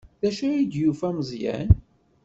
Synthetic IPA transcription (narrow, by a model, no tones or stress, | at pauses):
ðæʃæid̪jufæməzˤjæ̰n